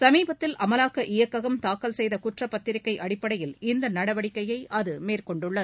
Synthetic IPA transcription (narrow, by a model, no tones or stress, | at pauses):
sɐmiːbɐt̪ːɪlʔɐmɐlaːkɐʔɪjɐkːɐɣɐmt̪aːkːɐlsɛjðɐkʊʈrɐpːɐt̪ːɪɾɪkːɐɪʔɐɽɪpːɐɽɐjɪlɪnd̪ɐnɐɽɐʋɐɽɪkːɐjɐɪʔɐðɯmeːrkɔɳɖɯɭːɐðɯ